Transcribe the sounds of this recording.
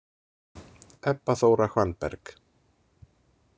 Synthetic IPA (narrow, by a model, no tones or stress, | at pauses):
ɛpːaθowɾaxwanpɛ̰ɾk